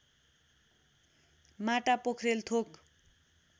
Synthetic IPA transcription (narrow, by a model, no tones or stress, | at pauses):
maʈapokʰrelt̪ʰok